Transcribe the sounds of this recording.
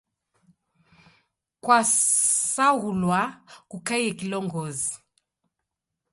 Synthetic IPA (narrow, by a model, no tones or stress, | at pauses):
kwasaulwakukaiɛkilɔŋɡɔzi